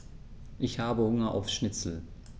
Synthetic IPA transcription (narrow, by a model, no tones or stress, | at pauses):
ʔɪçhaːbəhʊŋɐʔa̰ʊfʃnɪt͡sl̩